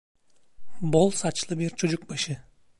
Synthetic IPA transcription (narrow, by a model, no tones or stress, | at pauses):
bolˠsat͡ʃlˠɯbiɾt͡ʃʰod͡ʒʊk̚baʃɯ